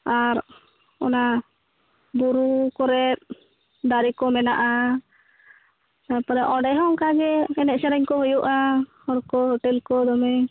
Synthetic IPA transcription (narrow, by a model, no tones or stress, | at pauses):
aɾ | ɔ̰na | buɾukɔɾɛt̪̚ | d̪aɾikɔmɛnaʔa | t̪apɔɾɛʔɔɖɛɦɔŋkaɡɛɛnɛt̪̚sɛɾɛɲkɔɦujuʔahɔɾkɔhɔʈɛlkɔd̪ɔmɛ